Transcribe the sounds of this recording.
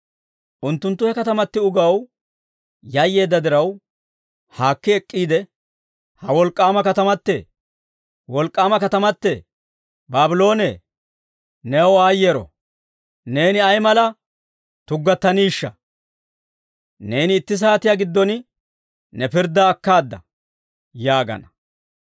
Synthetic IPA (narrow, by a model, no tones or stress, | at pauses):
ʔʊnt̪ːʊnt̪ːʊhɛkɐt̪ɐmɐt̪ːɪʊɡɐw | jɐjːe̞ːd̪ːɐd̪ɪɾɐw | haːkːɪɛkʼːiːd̪ɛ | hɐwɔlkʼːaːmɐkɐt̪ɐmɐt̪ːɛ̰ | wɔlkʼːaːmɐkɐt̪ɐmɐt̪ːɛ | baːbɪlo̞ːnɛ | nɛɔaːjːeːɾɔ̰ | ne̞ːnɪɐjmɐlɐ | t̪ʊɡːɐt̪ːɐniːʃːɐ̰ | ne̞ːnɪːt̪ːɪs̬aːt̪ɪjaɡɪd̪ːɔn | nɛpɪɾd̪ːɐːkːaːd̪ːɐ̰ | jaːɡɐ̰nɐ